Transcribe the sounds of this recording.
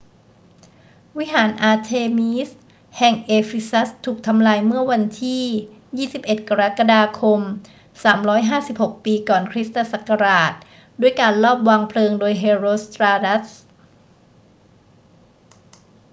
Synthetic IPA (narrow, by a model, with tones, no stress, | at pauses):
wi˦˥ɦaː˩˦nʔaː˧t̪ʰeː˧miː˦˥s | hɛ˨˩ŋʔeː˧fi˧˥sa˦˥st̪ʰuː˨˩k̚t̪ʰa˧mlaː˧jmɯ˥˩ɐwa˧nt̪ʰiː˥˩ | jiː˥˩si˨˩p̚ʔe˨˩t̪̚ka˧ɾa˦˥ka˧daː˧kʰo˧m | saː˩˦mɾɔː˦˥jɦaː˥˩si˨˩p̚ho˨˩k̚piː˧kɔː˨˩nkʰɾi˦˥st̪a˧˥sa˨˩kːa˧ɾaː˨˩t̪̚ | du˥˩əjkaː˧nlɔː˥˩p̚waː˧ŋpʰlɤː˧ŋdoː˧jɦeː˧ɾoː˧st̪ɾaː˧da˦˥s